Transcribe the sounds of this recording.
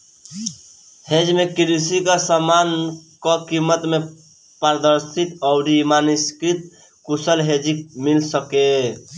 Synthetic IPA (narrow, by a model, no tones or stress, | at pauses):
hed͡ʒmekiɾisikasəmankɔkimːət̪me | pəɾd̪əɾsit̪ɔʊɾimaniskit̪̚ | kusəlɦed͡ʒimilsəke